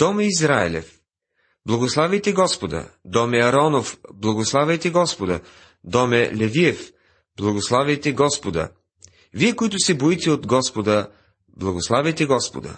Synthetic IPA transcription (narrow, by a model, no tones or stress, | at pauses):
t̪ɔmɛizɾaɛ̰lɛ̰f | blˠɐɡoslˠavɛjt̪ɛɡɔspod̪ə̰d̪ɔmɛɐɾɔnofblˠɐɡoslˠavɛjt̪ɛɡɔspod̪ə | d̪ɔmɛlɛviɛf | blˠɐɡoslˠavɛjt̪ɛɡɔspod̪ə̰ | viɛkoit̪ʊsɛboit̪ɛod̪ɡɔspod̪ə | blˠɐɡoslˠavɛjt̪ɛɡɔspo̰d̪ə̰